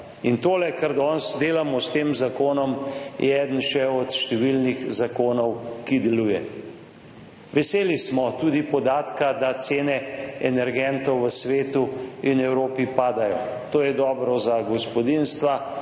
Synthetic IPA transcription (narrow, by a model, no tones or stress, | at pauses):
int̪oːlɛkaɾd̪ɔnsd̪eːlamɔst̪eːmzakoːnɔmjʔɛɛːd̪ən̩ʃɛɔt̪ʃt̪ɛʋilnixzakoːnɔwkid̪ɛluːjɛ | ʋɛseːlismɔt̪uːd̪ipɔd̪aːt̪kad̪at̪seːnɛɛnɛɾɡɛnt̪ɔwʋəsʋeːt̪uinɛwɾoːpipaːd̪ajɔt̪oːjɛd̪ɔːbɾɔzaɡɔspɔd̪inst̪ʋa